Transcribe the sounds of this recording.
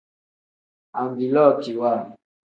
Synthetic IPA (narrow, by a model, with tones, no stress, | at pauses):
a˨ŋɡi˨lɔ˦˨ti˨wa˦˨